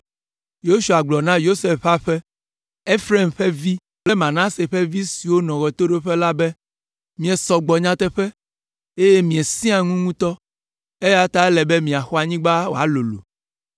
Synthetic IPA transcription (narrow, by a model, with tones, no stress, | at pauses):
jo˦ʃu˨a˨ɡ͡blɔ˨nã˦jo˦se˦fɸa˦ɸɛ˦ | e˦fɾe˦˨mɸe˦vi˦ | ple˦mã˨nã˦se˨ɸe˦vi˦si˨wo˦nɔ̃˨ɣɔ˨t̪o˦ɖe˦ɸɛ˦la˦bɛ˦ | mĩ˨ɛ˨sɔ˨ɡ͡bɔ˨ɲã˦t̪ɛ˦ɸɛ˦ | e˦je˦mĩ˨e˨sĩ˦ã˨ŋũ˦ŋũ˦t̪ɔ˦ | e˦ja˦t̪a˦ɛ˦lɛ˨be˦mĩ˨a˨xɔ˦a˨ɲĩ˦ɡ͡ba˦wo̰˨a˨lo˨lṵ˨